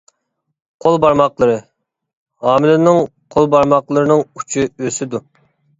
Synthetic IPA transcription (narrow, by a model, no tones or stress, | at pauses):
qʰolˠbɑɾmɑqlˠəɾɨ | ɑːmɪlɪnɪŋqʰolˠbɑɾmɑqlˠəɾɨnɨŋu̥t͡ʃʰiøsɪd̪u